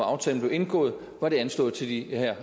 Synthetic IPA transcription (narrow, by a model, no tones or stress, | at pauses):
ɑ̈ʊt͡sʰɛ̰ːln̩b̥le̝ʊe̝nɡ̥ɔ̰̽ːð̩ˠ | ʋɑ̈ɾ̥e̝ænsl̥ɔ̽ːð̩ˠt͡sʰe̝ld̥ihæɐ̰